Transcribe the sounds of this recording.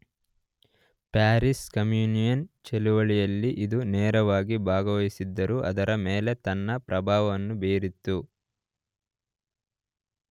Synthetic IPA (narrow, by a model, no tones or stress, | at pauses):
paːɾiskɐmjuːnijɐnt͡ʃɛluʋɐɭijɐlːiʔid̪unɛːɾɐʋaːɡibʱaːɡɐʋɐisid̪ːɐɾuʔɐd̪ɐɾɐmɛːle̞t̪ɐnːɐpɾɐbʱaːʋɐʋɐnːubeːɾit̪ːu